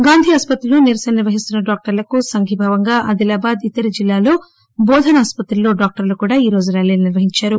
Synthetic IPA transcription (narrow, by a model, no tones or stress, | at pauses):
ɡaːnd̪ʱiɐspɐt̪ɾiluːniɾɐsɐnɐniɾʋɐɦist̪unːɐɖaːk̚ʈɐɾlɐkusɐŋɡʱibʱaːʋɐŋɡaːʔɐd̪ilaːbaːd̪it̪ɐɾid͡ʒilːaːlo̞ː | bɔːd̪ʱɐnɐːspɐt̪ɾɐloːɖaːk̚ʈɐɾlukuːɽaːiːɾo̞ːd͡ʒuɾaːleːluniɾʋɐɦiɲt͡ʃaːɾu